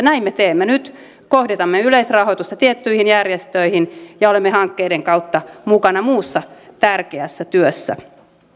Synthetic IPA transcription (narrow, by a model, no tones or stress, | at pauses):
næimːet̪eːmːenyt̪ | kohdet̪ɑmːeyleisrɑhoit̪ust̪ɑt̪iet̪ːyihinjærjest̪øihinjɑolemːehɑŋkːeideŋkɑut̪ːɑmukɑnɑmuːsːɑt̪ærkeæsːæt̪yøsːæ̰